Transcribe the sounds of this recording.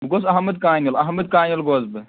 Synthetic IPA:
ɡosɐɦmɐd̪̚kaːnɐlɐɦmɐd̪̚kaːnɐlɡoːzbɨ

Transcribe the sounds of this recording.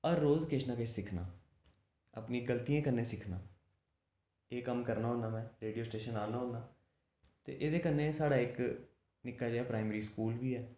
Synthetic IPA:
əɾːoːzkeːʃnãːkesɪkʰna̰ː | ə̰pnĩːɡəlt̪iːãːkənːẽːsɪkʰnaː | eːkəmkəɾnaːɦõːnaːmɛ̃ːɾeːɖijoːsʈeːʃənaːnaːɦõːnaː | t̪ḛːʔeːd̪eːkənːẽːsaːɽaːɪk | nɪkːaːd͡ʒɛːpɾaːɪməɾiːskuːlʋiːɛː

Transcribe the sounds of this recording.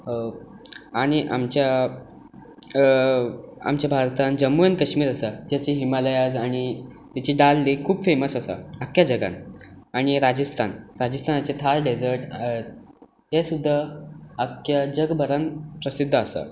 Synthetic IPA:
aɽ̃iʔamt͡ɕja | a̰mt͡ɕjabʱaɾt̪and͡ʑəmːuənkəɕmiːɾəsəd͡ʑjat͡ɕiːɦimaləjad͡zaɽ̃it̪jat͡ɕiːɖalːikʰuːbfeməsasə̰əkjad͡ʑəɡa̰nañiɾad͡ʑəst̪ʰanɾad͡ʑəst̪ʰanat͡set̪ʰaɾɖed͡zəɾʈet̪̚ | ɦesud̪ʱːəəkjad͡ʑəɡbʱəɾanpɾəsid̪ʱːəəsə̰

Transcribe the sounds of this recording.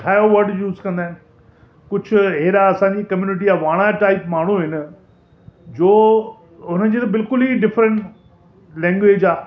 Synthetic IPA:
ʈʰaːjoʋɐɾɖjuːzkɐ̃nd̪aːɪ̃n | kʊd͡ʑʱʊɦeːɾaɐsãɲd͡ʑikɐmjuːnɪʈ̬iaːʋaːɽ̃aʈaːɪpmaːɳ̤uɦɪnə̆ | d͡ʑoː | ɦʊnəd͡ʑeːt̪ɐbɪlkʊliɖɪfɾə̃ɳʈ | lɛ̃ːŋɡʋeːd͡ʑaː

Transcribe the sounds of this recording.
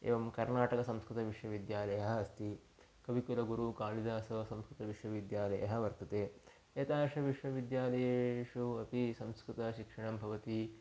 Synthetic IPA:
ḛːʋɐmkɐɾnaːʈɐkɐsɐmskɾut̪ɐʋiʂʋɐʋid̪jaːlɐjɐɦɐːst̪i | kɐʋikulɐɡuɾukaːlid̪aːsɐʋɐsɐmskɾut̪ɐʋiʂʋɐʋid̪jaːlɐjɐ̰ɦɐ̆ʋɐɾt̪ɐt̪eː | et̪aːʂɐʋiʂʋɐʋid̪jaːlɐjeːʂuɐpisɐmskɾut̪ɐʃikʂɐɳɐmbʱɐʋɐt̪i

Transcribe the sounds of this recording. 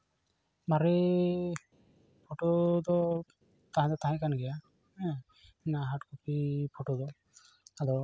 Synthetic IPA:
maɾi | pʰoʈod̪ɔ | t̪aɦɛ̃d̪ɔt̪aɦɛ̃kanɡɛja | ɛ̃ | ɛnaɦaʈkɔpʰipʰoʈod̪ɔ | ad̪ɔ

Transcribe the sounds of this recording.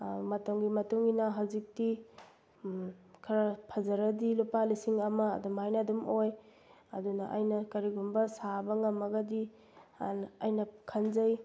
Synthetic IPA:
mɐtɐmɡimɐtuŋinɐɦawzik̚ti | kʰɐɾɐpʰɐzɐɾɐdilupalisiŋɐmɐ̰ːdumajnɐdumoj | ɐ̰dunɐʔɐjnɐkɐɾiɡumbɐsabɐŋɐmɐɡɐdi | ɐjnɐkʰɐnzɐj

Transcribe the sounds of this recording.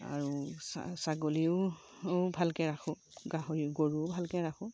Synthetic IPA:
a̰ɹusa̰saɡoliʊ | bʱalkɛɹaxʊ̃ | ɡaɦɔɹiʊɡoɹubʱalkɛɹaxʰʊ̃

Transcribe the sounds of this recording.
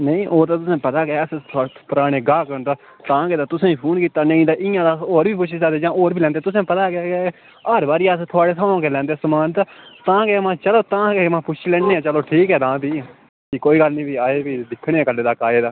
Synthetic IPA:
nəĩːʔoːt̪aːt̪ʊsẽːpət̪aːkeːəst̪ʰpəɾaːɽ̃eːɡaːkəɾnd̪aː | t̪ãːkeːd̪aːt̪ʊsẽːĩːpʰuːnkiːt̪aːnə̃ĩːd̪aːʔɪ̃jãːd̪aːoːɾbiːpʊt͡ʃʰisaːd̪eːd͡ʒãːʔoːɾbʱiːlɛ̃ːnd̪eːt̪ʊs̬ẽːpət̪aːkeke | əɾbaːɾiːast̪ʰʊaːɽeːsʰaːãːkeːlɛ̃ːnd̪eːsəmaːnt̪aːt̪ãːkeːmãːt͡ʃəloːt̪ãːkeːmãːpʊt͡ʃʰiːlɛ̃ːneːãːt͡ʃəloːʈʰiːkɦɛːd̪ãːbiː | kikoːiːɡəlnĩːbiːaːeːbiːd̪ɪkʰːɽ̃eːɛːkəlːeːd̪aːkaːeːd̪aː

